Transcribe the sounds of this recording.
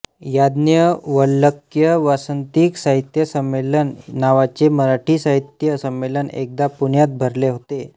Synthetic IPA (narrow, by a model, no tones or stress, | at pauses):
jad̪njəʋəlːəkjəʋasənt̪iːksaɦit̪jəsəmːelənːaʋat͡seməɾaʈʰiːsaɦit̪jəsəmːelənḛk̚d̪apuɳjat̪̚bʱəɾleɦot̪e